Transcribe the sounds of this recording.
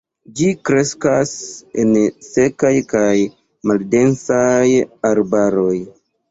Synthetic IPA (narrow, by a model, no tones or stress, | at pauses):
d͡ʒikɾe̞skasense̞kajkaj | malde̞nsajaɾbaɾo̞j